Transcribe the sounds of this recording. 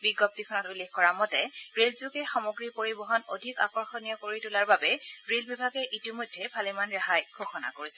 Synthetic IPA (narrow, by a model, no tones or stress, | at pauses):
biɡɔp̚tikʰɔnɔtulːexkɔɹamɔtɛɹelzʊkɛxɔmoɡɹipoɹibɔɦɔnodʱika̰kɔɹxɔnijɔkoɹitulaɹbabɛɹelbibʱaɡɛʔitimɔjdʱːɛbʱalimanɹaɦajɡʱoxɔna̰koɹisɛ̥